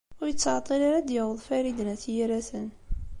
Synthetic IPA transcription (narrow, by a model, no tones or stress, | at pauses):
ʊɾjət͡sːəʕt̪ˤːilaɾad̪jəwəðˤfæɾid̪næθjiɾæθən